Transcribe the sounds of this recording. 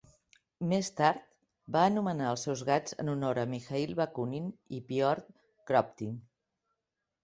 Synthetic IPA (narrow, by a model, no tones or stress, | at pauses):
mest̪aɾt̪ | baənumənaəlˠsɛwzɣad͡zə̰nunoɾəmixailˠβəkuninipiɔɾt̪̚ | kɾɔp̚t̪in